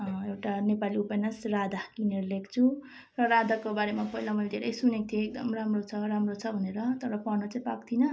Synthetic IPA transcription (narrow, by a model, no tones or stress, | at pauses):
ʌewʈanepaliupejnasrad̪ʱakineɾlekt͡sʰu | rʌɾad̪ʱakobaɾemapʌɦilamʌjld̪ʱeɾʌjsunek̚t̪ʰioek̚d̪ʌ̰mramrot͡sʰʌɾamrot͡sʰʌbʱʌneɾʌt̪ʌɾʌpanʌt͡saĩpakt̪ʰinʌ